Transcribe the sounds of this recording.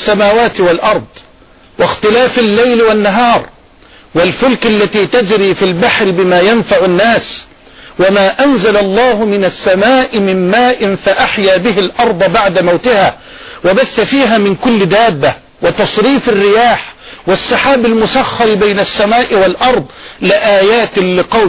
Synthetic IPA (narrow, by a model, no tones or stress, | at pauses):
sːamaːwaːt̪ɪwalʔɑɾˤd̪ˤ | wɪxt̪ɪlaːfalːajlwanːaɦɑːɾˤ | walfʊlkalːat̪iːt̪ad͡ʒɾiːfilbaħɾɪbɪmaːjanfaʕʊnːaːs | wamaːʔanzalalˤːɑːhʊmɪnasːamaːʔɪmɪmmaːʔɪnfaʔaħjaːbɪɦɪlʔɑɾˤd̪ˤbaʕd̪amawt̪ɪhaː | wabaθːafiːɦaːmɪnkʊlːɪd̪aːbːa | wɪt̪ɑsˤɾiːfarːɪjaːħwɪsˤːɑħaːbɪlmʊsaxːɑɾbajnasːamaːʔɪwalʔɑɾˤd̪ˤlɪʔaːjaːt̪ɪlɪqɑw